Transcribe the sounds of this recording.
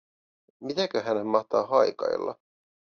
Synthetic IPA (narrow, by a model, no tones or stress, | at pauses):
mit̪ækøɦænemmɑht̪ɑːɦɑjkɑ̰j̰lːɑ̰